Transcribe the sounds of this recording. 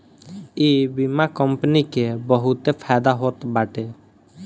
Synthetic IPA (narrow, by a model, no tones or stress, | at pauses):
ebimakɔmpənikebɔɦut̪epʰad̪aɦot̪baʈe